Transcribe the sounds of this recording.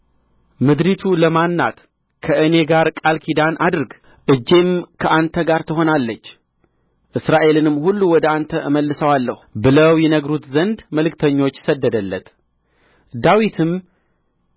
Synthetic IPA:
mɨd̪ɾit̪ʰuləmanːa̰t̪ | kʰəʔɨne̞ɡaɾkʼalkʰid̪anʔad̪ɨɾɡ | ʔɨd͡ʒːe̞mkʰəʔant̪ʰəɡaɾt̪ʰɨɦo̞nalːət͡ʃː | ʔɨsɾaʔe̞lɨnɨmːhulːuwɔd̪əant̪ʰəʔɨməlːɨsəwalːəhubɨləwjɛnəɡɾut̪zənd̪məlɨkt̪ʰəɲːo̞t͡ʃːsəd̪ːəd̪əlːət̪ | d̪awit̪ʰɨm

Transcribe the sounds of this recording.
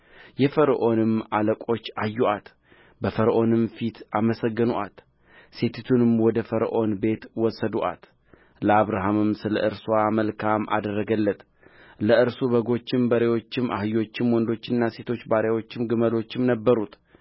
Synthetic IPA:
jɛfəɾəʔo̞nɨmaləkʼo̞t͡ʃːajːuʔat̪ | bəfəɾəʔo̞nɨmfit̪ʰaməsəɡːɨnuʔat̪ | se̞t̪ʰɨt̪ʰunɨmwɔd̪əfəɾəʔo̞nbe̞t̪wɔsːəd̪uʔa̰t̪ | ləaβɾaɦamɨmsɨlə̰ʔɨɾswaməlkʰamʔa̰d̪ərːəɡəlːət̪ | ləɨɾsuβəɡo̞t͡ʃːɪmbəɾe̞wo̞t͡ʃːɪmʔa̰hɨjo̞t͡ʃːɪmwɔnd̪o̞t͡ʃːɪnːase̞t̪ʰo̞t͡ʃːbaɾewo̞t͡ʃːɪmɡɨməlo̞t͡ʃːɪmnəbːəɾut̪

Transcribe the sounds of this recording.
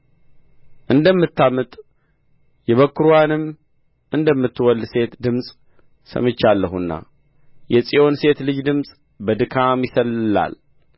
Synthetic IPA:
ʔɨnd̪əmːɨt̪ːamɨt̪ʼ | jɛβəkːɨɾoanɨm | ʔɨnd̪əmːɨt̪ːɨwɔlːse̞t̪d̪ɨmsʼ | sə̰mɨt͡ʃːalːəɦunːa̰ | jɛsʼijo̞nse̞t̪lɨd͡ʒd̪ɨmsʼ | bəd̪ɨkʰamjɪsəlɨla̰l

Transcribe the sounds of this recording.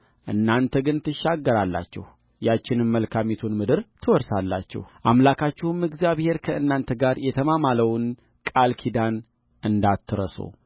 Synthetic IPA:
ʔɨ̰nːant̪ʰəɡɨnt̪ʰɨʃːaɡːəɾalːa̰t͡ʃːɛ̰h | jat͡ʃːɪnɨmməlkʰamet̪ʰunmɨd̪ɨɾt̪ʰɨwɔɾsalːa̰t͡ʃːɛ̰hʔamlakʰat͡ʃːɪhumɨɡzjaβhe̞ɾkʰəʔɨnːant̪ʰəɡaɾjɛt̪ʰəmamaləwn | kʼalkʰid̪an | ʔɨnd̪at̪ʰːɨɾə̰so̰

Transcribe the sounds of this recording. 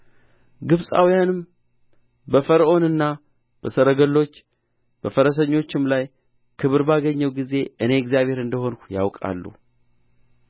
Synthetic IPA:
ɡɨβsʼa̰wijanɨm | bəfəɾəʔo̞nɨnːa | b̥əsəɾəɡəlːo̞t͡ʃː | b̥əfəɾəs̬əɲːo̞t͡ʃːɪmlaj | kʰɨβɨɾbaɡəɲːəwɡize̞ʔɨne̞ɛkzjaβhe̞ɾɨnd̪əɦo̞nkja̰wkʼa̰lːṵ

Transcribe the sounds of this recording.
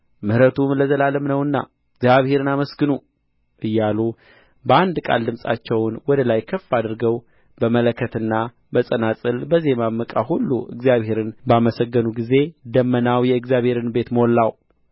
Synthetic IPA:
mɨhɾət̪ʰumləzəlaləmnəwɨnːa̰ | ɨɡzjaβhe̞ɾɨnaməsɡɨnu | ʔɨjːalu | bəand̪kʼa̰ld̪ɨmsʼa̰t͡ʃːɛwnwɔd̪əlajkʰəfːad̪ɨɾɡəw | bəmələkʰːət̪ɨnːa | bəsʼənasʼɨlbəziemamːəkʼaɦulːṵʔɨ̰ɡzjaβhe̞ɾɨnbaməsəɡːənuɡize̞d̪əmːənawjɛɨɡzjaβhe̞ɾɨnbe̞t̪məwɔlːaw

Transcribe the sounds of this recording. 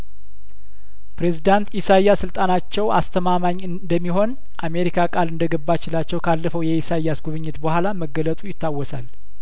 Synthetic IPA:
pɾe̞zid̪ant̪isajasɨlt̪ʼanat͡ʃːɛwa̰st̪ʰəmamaɲːɨd̪əmːiɦo̞n | ʔame̞ɾikʰakʼalɨnd̪əɡəbːat͡ʃɪlat͡ʃːɛwkʰalːəfəwjɛisajasɡuβɨɲːɪt̪bəhʷalaməɡːələt̪ʼujɪt̪ːawːɔsal

